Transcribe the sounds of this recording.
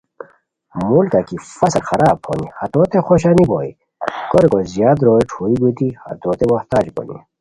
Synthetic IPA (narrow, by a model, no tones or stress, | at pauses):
mulkakifɐsɐlxɐɾaːb̚ho̰nihɐt̪oːt̪exoɕaniboḭ | koɾkozjaːd̪ɾoːiʈʰuːiɡut̪ihɐ̰t̪oːt̪emoht̪aːd͡ʑbo̰nḭ